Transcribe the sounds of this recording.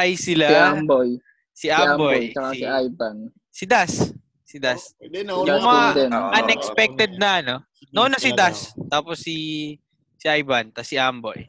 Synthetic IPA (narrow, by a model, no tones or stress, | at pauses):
ʔɐjsɪlaamboj | siʔaambojɐaiʔajban | sɪd̪as | sɪd̪asʊŋjmɐad̪ɛnʔɐnɛkspɛk̚t̪ɛd̪̚nɐʔɐno̞ | nonɐsɪd̪ast̪aːposːi | sɪʔajbɐnt̪ɐsɪʔambo̰j